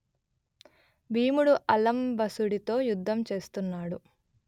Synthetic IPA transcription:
bʱiːmuɽuʔɐlɐmbɐsuɽit̪o̞ːjud̪ʱːɐmt͡ʃe̞ːst̪unːaːɽu

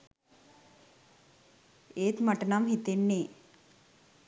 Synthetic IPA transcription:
eːt̪mɐʈɐnɐmɦit̪enːe

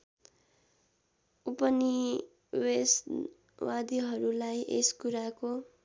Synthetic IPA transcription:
upʌni | wes | wad̪iɦʌɾulajʔeskuɾako

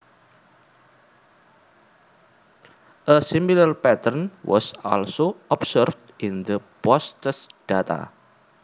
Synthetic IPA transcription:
ʔəsimilərpɛt̪ərnwʔɔ̰sɔ̰lsoɔpsərfdʔɪnd̪əpɔst̪əsd̥at̪a̰

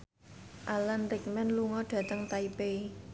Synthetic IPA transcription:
ʔalanrik̚mɛnluŋɔɖ̥ä̤t̪əŋt̪aipei

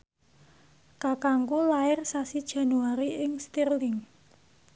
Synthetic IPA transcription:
kakaŋkulaɪrsasid̥ʒ̥a̤nuaɾiʔɪŋst̪irlɪŋ

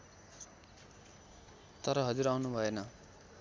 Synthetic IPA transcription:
t̪ʌɾʌɦʌd͡zuɾawnubʱʌenʌ

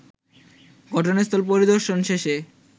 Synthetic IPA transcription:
ɡɔʈʰonest̪ʰolpoɾid̪oɾʃonʃeʃe

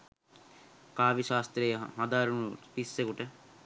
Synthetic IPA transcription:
kaːʋiʃaːst̪ɾejɐɦɐd̪aːɾunupisːekuʈə

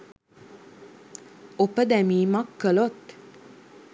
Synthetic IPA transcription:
ɔpəd̪ɛmimɑkːəlot̪

